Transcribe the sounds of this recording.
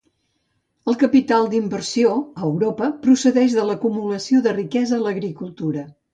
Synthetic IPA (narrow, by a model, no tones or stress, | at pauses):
əlˠkəpit̪alˠd̪imbərsioəwɾopəpɾusəðɛʒðələkumuləsioðərikɛzəːləɣɾikulˠt̪uɾə